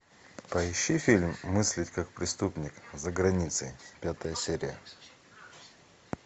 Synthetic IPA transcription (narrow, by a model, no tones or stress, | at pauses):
pɐɪɕːifʲilʲmːɨsʲlʲɪtʲkak̚pɾʲɪst̪upnʲɪkzəɡɾɐnʲit̪səjpʲat̪əjəsʲeɾʲɪ̰jə